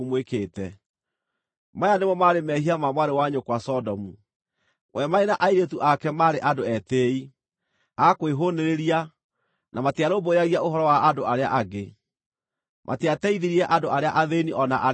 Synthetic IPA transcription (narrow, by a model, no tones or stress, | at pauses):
mwekeːtɛ | majanemɔmaɾemɛhiamamwaɾewaɲokwasɔdɔmu | wʔɛmaenaʔaiɾetuʔakɛmaːɾeʔadoɛteːi | akweɦoneɾeɾia | nʔamateaɾoːboeaɣiaoɦɔɾɔwaʔadoaɾeaʔaɡe | mʔa̰teatɛiðiɾiɾɛʔadoʔaɾeaʔaðeniʔɔnaʔa